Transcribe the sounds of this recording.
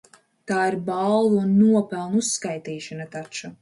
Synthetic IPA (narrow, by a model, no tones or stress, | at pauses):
t̪aːiɾballˠuunːuɔpɛlˠnuusːkajt̪iːʃanat̪at͡ʃa